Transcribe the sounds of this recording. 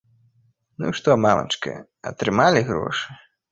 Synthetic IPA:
nṵʂt̪ɔmamɐ̰t͡ʂkɨ̰ | ɐ̰t̪ɾɨmalʲiɣɾɔ̰ʂɨ

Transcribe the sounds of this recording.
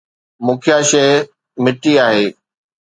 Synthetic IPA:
mʊ̃ːkʰjaʃɐ | mɪʈːiaːɦeː

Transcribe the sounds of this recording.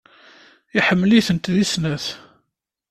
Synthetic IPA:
iħəmːliθənt̪ðisnæθ

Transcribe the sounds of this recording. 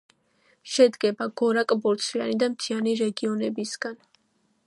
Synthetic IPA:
ʃɛd̪ɡɛbaɡ̥ɔɾakʼbɔɾt̪sʰvia̰nid̪amt̪ʰianiɾɛɡiɔnɛbisɡ̥an

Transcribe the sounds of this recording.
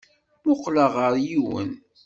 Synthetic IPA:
mʊqləʁəɾjiwə̰n

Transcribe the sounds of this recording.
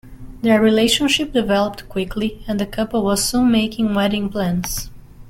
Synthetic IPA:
ðə˞ɹileɪʃə̃nʃɪp̚dɨvɛlˠəp̚tkʰw̥ɪkʰliɨ̃nðɨkʰʌpəlˠwʌz̥sũnmeɪkɪ̃ŋwɛɾɪ̃ŋpʰlæ̃ns

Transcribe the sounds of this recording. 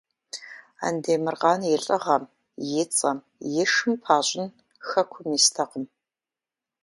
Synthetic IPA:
a̰ndeːmɨrqɑːnjɪɬʼɐʁɐm | jɪt͡sʼɐm | jɪʂɨmpʰaːɕʼɪn | xɐkʷʰʊmiːstʰɐqəm

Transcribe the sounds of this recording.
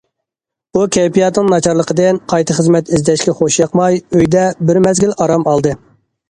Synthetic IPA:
ukʲʰɛpijɑt̪nɨŋnɑt͡ʃʰɑɾlˠəqʰəd̪ɨnqʰɑjt̪ʰəχəzmɛt̪izd̪ɛʃkʲɛχoʃjɑqmɑjøjd̪ɛbɪɾmɛzɡʲilɑɾɑmɑlˠd̪ɨ

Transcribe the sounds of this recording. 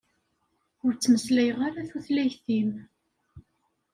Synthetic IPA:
ʊɾt͡sːməslæjəʁaɾaθuθlæçθim

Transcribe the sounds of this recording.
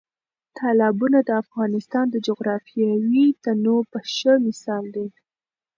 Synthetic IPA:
t̪ʰɑlɑbunad̪əafɣɑnɪst̪ɑnd̪əd͡ʒʊɣɾɑfijawit̪anopəʃəmɪsɑld̪e

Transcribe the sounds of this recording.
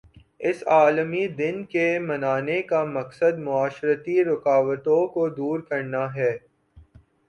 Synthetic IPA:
ɪsaːlmid̪ɪnkemɐnaːnekamɐqsəd̪mʊaːʃɾət̪iɾʊkaːʋət̪õkod̪uːɾkɐɾnaɦɛː

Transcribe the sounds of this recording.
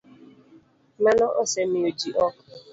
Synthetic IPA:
manɔʔɔsemiod͡ʒiʔɔk

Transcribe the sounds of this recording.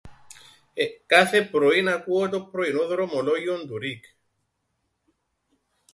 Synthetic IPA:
ekːaθepɾoinakuot̪̬opɾoinoðoɾomolojond̪uɾik

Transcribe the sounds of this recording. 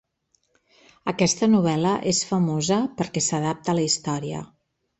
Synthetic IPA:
əkɛst̪ənuβ̞ɛləʔesfəmozəpəɾkɛsəð̞ap̚t̪ələist̪ɔɾiə̰

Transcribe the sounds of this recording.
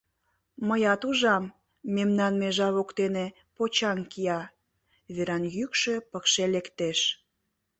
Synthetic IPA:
məjɑt̪uʒɑmː | emnɑnmeʒɑβokt̪ene | pot͡ɕɑŋkiɑ | βeɾɑnjykʃøpəkʃelekt̪eʃ

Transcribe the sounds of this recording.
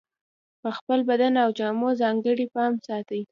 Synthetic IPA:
pəxpəlbad̪anawd͡ʒɑmozɑŋɡəɽipɑmsɑt̪əj

